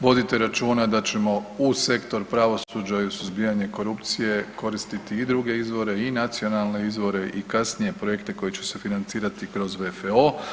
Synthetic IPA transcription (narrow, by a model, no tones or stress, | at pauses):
ʋo̞d̪it̪eɾat͡ʃuːnad̪at͡ɕe̞mo̞use̞kt̪o̞ɾpɾaʋo̞sud͡ʒajusuzbiːaɲe̞ko̞ɾupt̪sije̞ko̞ɾist̪it̪iːd̪ɾuɡe̞izʋo̞ɾe̞inat̪sio̞nalˠne̞izʋo̞ɾe̞ʔikasnije̞pɾoje̞kt̪e̞ko̞jet͡ɕe̥se̞finant̪siːɾat̪ikɾo̞zʋe̞feo